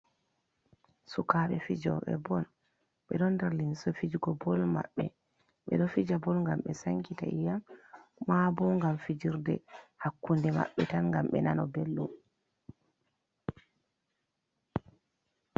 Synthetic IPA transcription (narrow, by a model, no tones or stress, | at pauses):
sukaɓɛfid͡ʒɔ̰ɓɛ̰bɔn | ɓɛɗɔndaɾlinsɔfid͡ʒɡɔbɔlma̰ɓːɛ | ɓɛ̰ɗɔfid͡ʒabɔlŋɡamɓɛsaŋkita̰ʔijamː | abɔŋɡamfid͡ʒiɾdɛ̰hakːundɛma̰ɓːɛtanŋɡamɓɛ̰nanɔbelːum